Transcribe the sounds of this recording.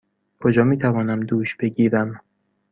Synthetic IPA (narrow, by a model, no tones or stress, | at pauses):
kʰod͡ʒɒːmiːt̪ʰævɒːnæmd̪uːʃb̥e̞ɟiːɾæm